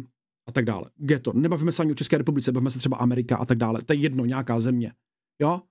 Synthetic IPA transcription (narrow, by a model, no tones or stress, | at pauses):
ʔat̪aɡ̚da̰ːlʔɛ̰ɡdɛt̪onɛbaviːmɛsɛʔaɲɪʔot͡ʃɛskɛːɾɛpublɪtt͡sɛbaviːmɛs̬ɛt̪r̥ɛba̰ʔamɛɾɪka̰ʔa̰t̪aɡ̚daːlɛ̰t̪ojɛjɛdno̞ɲɛakaːzɛmɲɛ | joː